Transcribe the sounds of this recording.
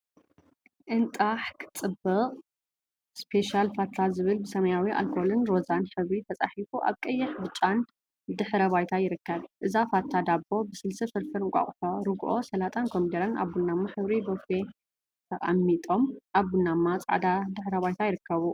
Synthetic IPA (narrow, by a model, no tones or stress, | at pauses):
ʔɨnt̪ʼaħkʰɨ̥t͡sʼɨbɨqʼ | spʰe̞ʃalfat̪ʰːazɨβɨlbɨsɐmɐjawiʔa̰lkʰolɨnɾo̞zanħɨβɾit̪ʰɐt͡sʼaħifuʔa̰βkʼɐjːɪħbɨt͡ʃʼːan | d̪ɨħɾɐβajt̪ʰajɪɾɨkːɐβʔɨzafat̪ʰːad̪abːo̞bɨsɨlsɨfɨɾfɨɾɨŋkʷʼa̰χʼħoɾɨɡʔo̞̰sɐlat̪ʼankʰomd̪eɾɐnʔa̰βɡunːamːaħɨβɾibofe | t̪ʰɐχʼa̰mːit̪ʼo̞mʔaβɡunːamːat͡sʼa̰ʕ̰d̪ad̪ɨħɾɐβajt̪ʰajɪɾɨkːɐβu